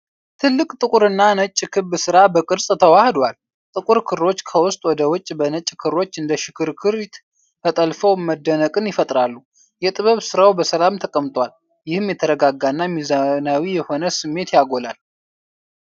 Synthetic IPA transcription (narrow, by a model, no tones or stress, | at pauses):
t̪ʰɨlːɨkʼt̪ʼɨkʼuɾɨnːanət͡ʃʼːkʰɨβːɨsɨɾabəkʼɨɾsʼt̪ʰəwahd̪wal | t̪ʼɨkʼuɾkʰɨɾːo̞t͡ʃːkʰəwʊst̪ʼwɔd̪əwʊt͡ʃʼbənət͡ʃʼkʰɨɾːo̞t͡ʃːɨnd̪əʃɪkʰɨɾkʰɨɾ | fət̪ʼəlfəwməd̪ːənəkʼɨnjɪfət̪ʼɾalːu | jɛt̪ʼɨβəβsɨɾawbəsəlamt̪ʰəkʼəmt̪ʼwal | jɪhɨmjɛt̪ʰəɾəɡaɡːanːamizanawijɛho̞nəsɨmːe̞t̪jaɡo̞lal